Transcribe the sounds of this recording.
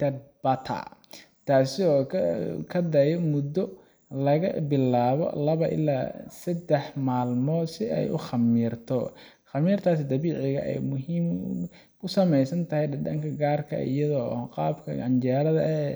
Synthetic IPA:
t̪ʰɐd̪̚bɐt̪ʰɐ̰ | t̪ʰaːsɪɔːkʰɐd̪ɐjɔmʊd̪ːɔ | lɐɣɐ̰bɪlaːβɔ̰lɐβɐʔɪ̰lːa̰ːsɐd̪ɛħmaːlmɔːd̪sɪʔɛ̰jʔʊχɑmiːrt̪ʰɔ | χɑmiːrt̪ʰaːsɪd̪ɐβiːʕɪɣɐ̰ʔɛ̰jmʊɦiːm | ʊsɐmɛjsɐnt̪ʰɐhɛjɖɐɖɐŋkʰɐɡaːrkʰɐ̰ḭjɐðɔːqɑːbkʰɐ̰ɐnt͡ʃɛːɾɐðɐɛ

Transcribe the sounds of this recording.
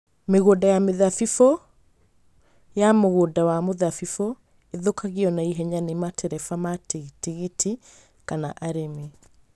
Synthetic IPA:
meɣodajameðafifɔ | jamoɣoːdawamoðafifɔ | eðokʰaɣiɔnaiɦɛɲanematʰɛɾɛfamatitiɣitʰi | kanaʔaɾeme

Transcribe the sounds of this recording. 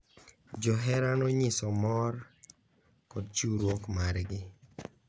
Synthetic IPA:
d͡ʒɔɦɛɾanɔɲɪsɔmɔr | kɔd̪t͡ʃuɾwokmaɾɡɪ

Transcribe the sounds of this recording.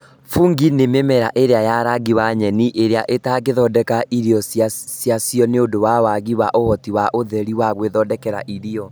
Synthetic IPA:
fuŋɡinememɛɾa̰ʔeɾeajaɾaɡiwaɲɛniʔeɾeaʔetaɣeðɔdɛkaʔiɾiɔsjasjasjɔneodowawaɣiwaʔohɔtiwaʔoðɛɾiwaɣweðɔdɛkɛɾa̰ʔiɾiɔ

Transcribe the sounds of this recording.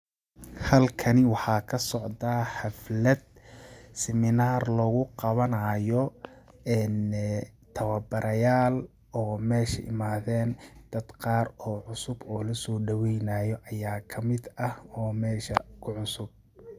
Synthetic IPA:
hɐlkʰɐnɪwɑħɑːkʰɐsɔʕd̪aħɑflɐd̪̚ | sɛmɪnaːrlɔːɣʊqɑβɐnɐjɔ | ɛnt̪ʰɐwɐbɐɾɐjaːl | ɔːmɛːʃɐ̰ʔɪ̰maːðɛːnd̪̥ɐd̪qɑːɾɔːʕʊsʊbɔːlɐsɔːɖɐwɛjnaːjɔʔɐjaːkʰɐmɪd̪ɐhɔːmɛːʃɐ̰kʰʊʕʊsʊb̚

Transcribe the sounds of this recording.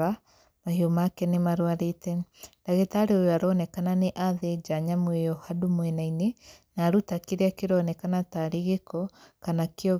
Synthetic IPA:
a | mahiomakɛnemaɾwaɾetɛdaɣetaɾeojoaɾɔnɛkananeʔaðed͡ʒaɲamwejɔhadomwɛnainenaɾutakeɾeakeɾɔnɛkanataɾeɣekɔkanakeɔ

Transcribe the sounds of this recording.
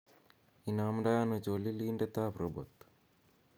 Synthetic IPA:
inamɖajanut͡ʃoliliːɳɖet̪aːpɾobo̰t̪

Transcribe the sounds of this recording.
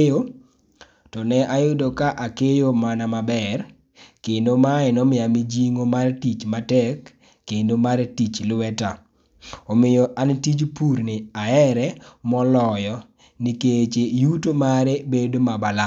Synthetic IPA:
jo | tɔnɛʔajʊdokaʔakejomanamabɛr | kendomaɛnɔmɪjamid͡ʒiŋomartit͡ʃmatɛkː | endomaɾtit͡ʃlwɛta | omɪjɔʔantit͡ʃpurnɪaɛɾɛmɔlɔjɔ | nɪket͡ʃejutomaɾebedomabala

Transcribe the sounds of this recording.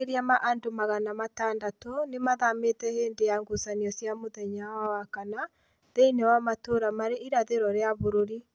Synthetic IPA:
eɾiamaʔandomaɣanamataːndatɔnemaðametɛheːndejaŋɡosaniɔsjamoðɛɲawawakana | ðeinɛwamatoɾamaɾeʔiɾaðeɾɔɾeaβoɾoɾi

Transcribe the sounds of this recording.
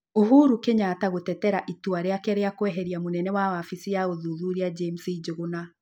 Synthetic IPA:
oɦuɾukeɲataɣotɛtɛɾaʔituaɾeakɛɾeakwɛɦɛɾiamonɛnɛwawafisijaɣoðuðuɾiad͡ʒemsid͡ʒoɣona

